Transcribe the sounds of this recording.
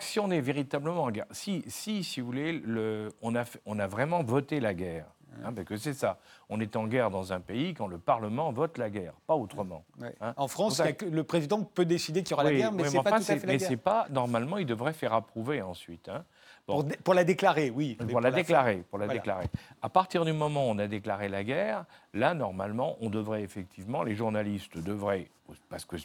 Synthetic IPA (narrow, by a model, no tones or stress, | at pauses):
siɔ̃nɛveʁit̪abləmɑ̃ɑ̃ɡɛʁsisisivuvuleləɔ̃nafɛɔ̃navʁɛmɑ̃vɔt̪elaɡɛːʁ | ɛ̃paskəsɛsaɔ̃nɛt̪ɑ̃ɡɛʁd̪ɑ̃zɛ̃peikɑ̃ləpaʁləmɑ̃vɔt̪laɡɛːʁpaot̪χəmɑ̰̃ɛ̃ɑ̃fχɑ̃saakləpχezid̪ɑ̃pød̪esid̪ekʲiljɔʁalwaiɡɛʁmɛɛɑ̃pafɛ̃usɛafɛlmɛsɛpanɔʁmalmɑ̃ild̪əvʁɛfɛʁapχuveɑ̃sɥit̪ɛ̃ | b̥ɔ̃ʁpuʁlad̪eklaʁewipuʁladleklaʁepuʁlad̪ekla̰ʁeapaʁt̪iʁd̪ymɔmɑ̃ɔ̃nad̪eklaʁelaɡɛʁlanɔʁma̰lmɑ̃ʔɔ̃d̪əvʁɛefɛk̚t̪ʰivmɑ̃leʒuʁnalist̪d̪əvʁɛ | paʁsə̥kə